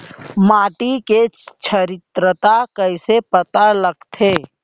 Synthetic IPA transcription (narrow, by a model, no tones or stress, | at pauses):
maːʈiket͡ʃʰəɾɪt̪ɾət̪akəɪsepət̪aləɡt̪ʰeː